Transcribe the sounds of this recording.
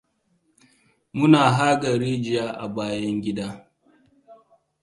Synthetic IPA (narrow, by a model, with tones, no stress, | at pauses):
mʊ˦naː˨ɦa˦ɡɐ˨ɾiː˦d͡ʒɪ˨jaː˦ʔa̰˨baː˦jɐ˦ŋɡʲɪ˦daː˦